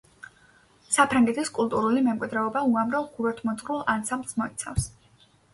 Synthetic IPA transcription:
sapʰɾaŋɡɛt̪ʰiskʼulˠt̪ʼuɾulimɛmkʼwid̪ɾɛɔbauamɾavɡuɾɛt̪ʰmɔsʼɾulˠansamblsmɔit̪sʰa̰fs

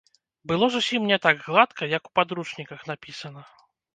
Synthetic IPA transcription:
bɨlˠɔzusʲimnʲɛt̪aɡɣlˠat̪kɐjɐku̥pad̪ɾuʂnʲikɐxnapʲisɐnɐ

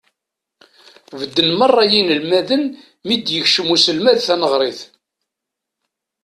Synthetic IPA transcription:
vəd̪ːənmərˤːɑjinəlmæðən | mid̪jəçʃəmusəlmæðθænəʁɾˤɪθ

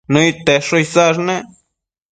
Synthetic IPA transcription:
nojt̪eʂojzaʐne

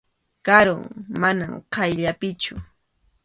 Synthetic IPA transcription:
kaɾʊ̰ŋmanamqʰɑjʎapɪt͡ʃʊ

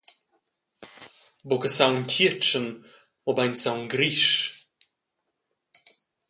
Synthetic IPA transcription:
bokəsawntʰʲit͡ʃən | ɔbajnʲsawnɡɾiʃ

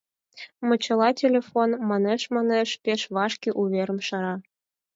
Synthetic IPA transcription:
mɤ̆t͡ɕɤ̆lˠɑtʲelʲefonmɑneʃmɑneʃpeʃβɑʃkʲiʔuβʲeɾə̆mʃɑɾɑ

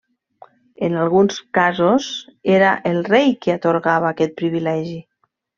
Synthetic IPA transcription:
ənalˠɣunskazozeɾaʔelˠrejkeat̪oɾɣaβ̞aːkɛt̪̚pɾiβilɛʒi

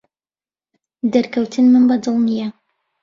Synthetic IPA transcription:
d̪ɐɾkʰɐwt̪ʰɨnmɨnbɐd̪ɨlˠnijɛ

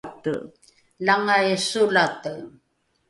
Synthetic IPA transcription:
t̪ə̰ | laŋajsulat̪əɣ

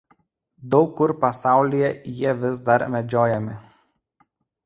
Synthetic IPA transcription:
d̪ɒʊkːʊɾpɐsɑˑʊlʲɪjɛjiɛʋʲɪs̬d̪ɐɾmʲɛd͡ʒʲoːjɛmʲɪ

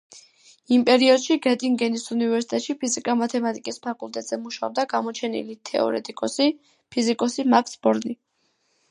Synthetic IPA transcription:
impʼɛɾiɔd̪̥ʃiɡɛt̪ʼiŋɡɛnisunivɛɾsi̥t̪ʼɛt̪ʼʃipʰizikʼamat̪ʰɛmat̪ʼikʼispʰakʼult̪ʼɛt̪ʼz̥ɛmuʃaɔb̚d̪aɡamɔt͡ʃʰɛnḭlit̪ʰɛ̰ɔ̰ɾɛ̰t̪ʼikʼɔsi | pʰizikʼɔsimaksbɔɾni

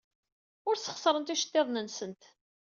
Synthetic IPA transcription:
ʊɾsə̥χsɾˤənt̪iʃə̥t̪ːeðˤnənsənt̪

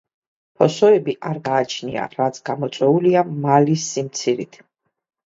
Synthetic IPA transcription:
pʰɔsɔɛbiʔaɾɡaːt͡ʃʰnḭa̰ɾat̪sʰɡamɔt̪sʼwɛuliamalisːimt̪sʰiɾit̪ʰ

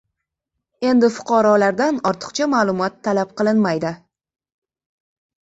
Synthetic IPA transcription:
e̞nd̪ɪfʊ̥qʰɑɾɒlaɾd̪anɒɾt̪ʰɨ̥qt͡ʃʰamaːlˠʊmɒt̪ʰːalap̚qʰɨlˠɪnmajd̪ɪ

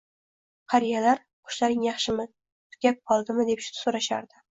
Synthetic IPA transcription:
qʰɑɾijalaɾ | qʰʊ̥ʃlaɾɪŋjɑχʃɪmɪ | t̪ʰʊ̥ɡʲap̚qʰɒlˠd̪ɪmɪd̪e̞pʃsoɾaʃa̰ɾd̪ɪ

